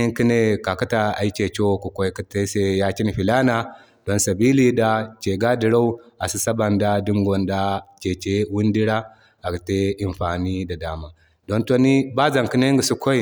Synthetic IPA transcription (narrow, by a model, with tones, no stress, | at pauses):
i˦ki˦ne˨ka˨ka˦ta˨a̰˨i˦t͡ʃe˨t͡ʃo˦˨ku˨ko˦i˦ki˦te˦se˦ja˦ki˦ni˨ɸi˨la˦na˨ | d̥o˦nsa˨bi˦li˦da˨t͡ʃe˨ɡa˦di˨ɾa˦u˦a˨si˨sa˦ba˨nda˦di˦ŋɡo˨nda˦t͡ʃe˨t͡ʃe˦wu˦ndi˦ɾa˦ | a˨ki˨te˦i˨mɸa˨ni˦da˨daː˨ma˨ | do˦nto˦ni˦ba˦za˨ŋki˦ne˦ŋɡu˨su˦ko˦i˨